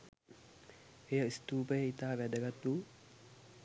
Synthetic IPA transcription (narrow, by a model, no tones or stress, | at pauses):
ejəist̪uːpəjəit̪aːʋæd̪əɡat̪u